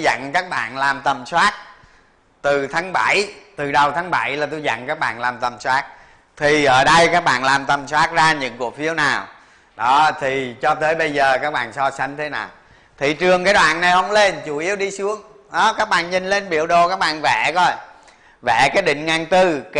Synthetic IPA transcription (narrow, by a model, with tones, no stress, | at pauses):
za̰˧˨ŋkaː˦˥k̚ɓa̰ː˧˨nlaː˨˩mt̪ə˨˩mswaː˦˥t̚ | t̪ɨ˨˩t̪ʰaː˨˦ŋɓa˧˩˨jt̪ɨ˨˩ɗə˨˩wt̪ʰaː˨˦ŋɓa˧˩jlaː˨˩t̪u˧jza̰˧˨ŋkaː˦˥k̚ɓa̰ː˧˨nlaː˨˩mt̪ə˨˩mswaː˦˥t̚ | t̪ʰi˨˩ʔəː˧˩ɗə˧jkaː˦˥k̚ɓa̰ː˧˨nlaː˨˩mt̪ə˨˩mswaː˦˥t̚zaː˧ɲɨ̰˧˥ŋku˨˩ək̚fi˨˦əwnaː˨˩w | ɗɔ˨˦t̪ʰi˨˩t͡ɕɔ˧t̪əː˨˦jɓə˧jzəː˨˩kaː˦˥k̚ɓa̰ː˧˨nsɔ˧sa˨˦jŋ̟t̪ʰe˨˦na̰ː˨˩w | t̪ʰi˨˩t͡ɕɨ˨˩əŋkaː˨˦jɗwa̰ː˧˨nːa˨˩jhə˧wŋ͡mle˧nt͡ɕu˧˦ʔi˨˦əwɗi˧sɨ˨˦əŋ | ɗɔ˨˦kaː˦˥k̚ɓa̰ː˧˨nɲï˨˩ŋ̟le˧nɓḭ˧˩əwɗo˨˩kaː˦˥k̚ɓa̰ː˧˨nvɛ˧˩˦kɔ˧˩j | vɛ˧˩˨kaː˨˦jɗḭ̈˧˨ŋ̟ŋaː˨˩ŋt̪ɨ˧k